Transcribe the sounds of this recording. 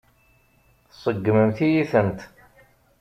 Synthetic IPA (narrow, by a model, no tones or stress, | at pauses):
θsˤəɡːməmθijiθənt̪